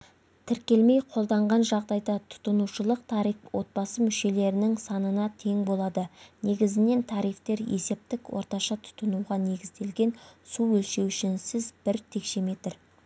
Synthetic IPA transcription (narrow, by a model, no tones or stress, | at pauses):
t̪ʰɪɾkʲe̞lme̞jqʰo̞lˠd̪ɑɴʁɑnʒɑʁd̪ɑjd̪ɑt̪ʰʊ̥t̪ənuʃəlˠəq̚t̪ʰɑɾifwo̞t̪̚bɑsəmʏʃe̞le̞ɾɪnɪŋsɑnənɑt̪ʰe̞ŋbo̞lˠɑd̪əne̞ɡʲɪzɪne̞nt̪ʰɑɾijft̪e̞ɾe̞̰se̞p̚t̪ɪkwo̞̰ɾt̪ɑʃɑt̪ʰʊ̥t̪ənuʁɑne̞ɡʲɪzd̪e̞lɡʲe̞nsuwɵlʃe̞wʏʃɪnsɪzbɪɾt̪ʰe̞kʃe̞me̞t̪ɪɾ